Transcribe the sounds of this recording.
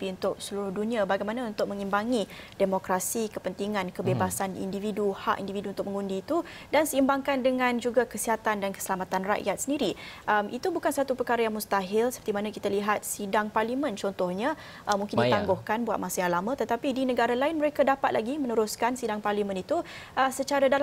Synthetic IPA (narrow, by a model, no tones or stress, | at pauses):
piunt̪ʊk̚səluɾʊhdunĩabaɡajmanãunt̪ʊk̚mə̃ŋimbaŋidemokɾasikəpənt̪iŋãnkəbebasanḭndividuha̰ʔḭndividuunt̪ʊk̚məŋundiːt̪u | dansəimbaŋkandəŋãnd͡ʒuɡakəsiɦat̪andankə̥səlamat̪anra̰ʔjat̪̚səndiɾiʔəmʔit̪ubukansat̪upərkaɾajaŋmust̪aɦɪlsə̥pərt̪imanãkit̪aliɦat̪̚sidaŋparlimə̃nt͡ʃɔnt̪ɔhɲa | ʔəmũŋkɪndit̪aŋɡʊhkanbuat̪̚masajaŋlamãt̪ət̪apidinəɡaɾalaɪnməɾekadapat̪̚lʔaɡimə̃nəɾʊskansidaŋparlimə̃nit̪uəsət͡ʃaɾadal